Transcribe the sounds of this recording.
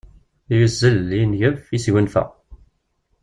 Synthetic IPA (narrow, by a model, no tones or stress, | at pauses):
juzːəlːinʝəfisʝənfæ̰